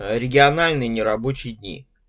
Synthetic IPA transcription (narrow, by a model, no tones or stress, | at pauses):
ɾʲɪɡʲɪɐnalʲnɨjnʲɪɾɐbot͡ɕɪjɪd̪ʲnʲḭ